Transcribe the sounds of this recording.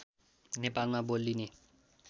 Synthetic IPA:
nepalmabolːine

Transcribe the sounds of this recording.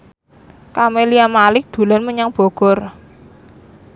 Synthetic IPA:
kameliamalɪk̚d̪̥ṳlanməɲaŋb̥ɔ̤ɡ̥ɔ̤r

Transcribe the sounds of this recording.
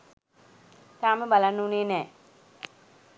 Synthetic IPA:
t̪aːməbalanːuuneːnɛː

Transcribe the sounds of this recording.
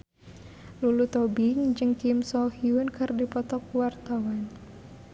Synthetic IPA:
lulut̪ɔbɪŋd͡ʒɨŋkimsɔhiunkɨrdipɔt̪ɔkuwart̪awan

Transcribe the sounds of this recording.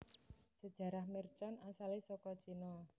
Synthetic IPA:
səd̥ʒ̥a̤ɾahmert͡ʃɔnasalesɔkɔt͡ʃinɔ

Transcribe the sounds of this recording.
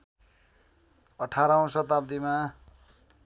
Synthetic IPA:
ʌʈʰaɾaõsʌt̪ap̚d̪ima

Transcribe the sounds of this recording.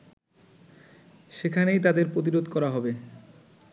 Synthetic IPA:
ʃekʰanejt̪ad̪eɾpɾot̪̬iɾod̪kɔɾaɦɔbe

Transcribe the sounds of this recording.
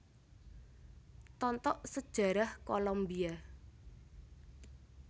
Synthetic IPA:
t̪ɔnt̪ɔʔsəd̥ʒ̥a̤ɾahkolombia

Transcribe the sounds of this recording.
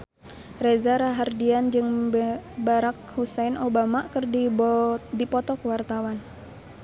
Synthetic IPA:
rezaɾaɦardiand͡ʒɨŋ | baɾak̚husajnʔobamakɨrdi | dipɔt̪ɔkəwart̪awan

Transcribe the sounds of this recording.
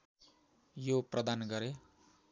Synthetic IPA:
joprʌd̪anɡʌɾe

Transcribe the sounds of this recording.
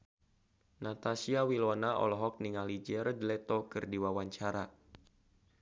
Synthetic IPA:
nat̪asiawilɔnaʔɔ̰lɔɦɔk̚niŋalid͡ʒɛɾd̪lɛt̪ɔkɨrdiwawaɲt͡ʃaɾa

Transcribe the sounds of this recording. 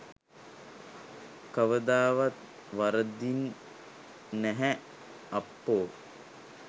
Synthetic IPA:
kəʋəd̪aːʋat̪ | ʋaɾəd̪in | ɛɦɛ | apːoː

